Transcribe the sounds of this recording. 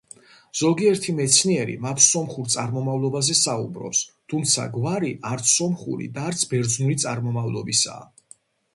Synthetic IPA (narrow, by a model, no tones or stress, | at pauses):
z̥ɔɡiɛɾt̪ʰimɛt̪sʰniɛɾḭmat̪ʰsɔmχuɾt̪sʼaɾmɔmavlˠɔbazɛsaṵbɾɔ̰pst̪ʰumt̪sʰa̰ɡvaɾiʔaɾt̪sʰːɔmχṵɾḭd̪aːɾt̪sʰbɛɾd̪znuɾit̪sʼaɾmɔmavlˠɔbisa̰ː